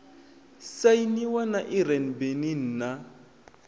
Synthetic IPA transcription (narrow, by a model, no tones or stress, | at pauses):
sainiwanaʔiɾɛnbenin̩ːna